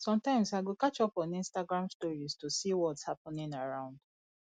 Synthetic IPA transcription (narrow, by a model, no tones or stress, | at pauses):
sɔ̃mtãɪ̃msaɡukat͡ʃɔpɔ̃nĩnstaɡɹãmstɔɹistosiwɔthapɔ̃nĩŋaɹãʊ̃nd